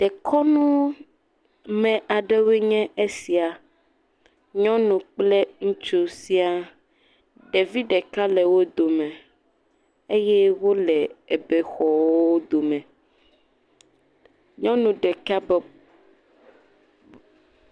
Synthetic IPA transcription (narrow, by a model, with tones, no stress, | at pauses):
ɖ̥ɛ˨kʰɔ˦nũ˦ | mɛ̃˨ʔa˨ɖɛ˦we˦ɲɛ̃˦e˦si˨a˨ | ɲɔ̃˦nũ˨k͡plɛ˦ŋũ˦t͡ʃo˨si˦a˦ | ɖɛ˨vi˦ɖɛ˨ka˦lɛ˨wo˦d̪o˨mɛ̃˨ | e˦jɛ˦wo˦lɛ˨e˨bɛ˨xɔ˨wo˦d̪o˨mɛ̃˨ | ɲɔ̃˦nũ˨ɖɛ˨ka˦b